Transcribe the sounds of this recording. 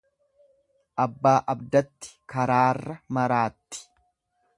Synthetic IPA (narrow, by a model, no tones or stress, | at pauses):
ʔɐbːaːʔɐbd̪ɐt̪ːɪ̥kɐɾaːrːɐmɐɾaːt̪ːɪ̥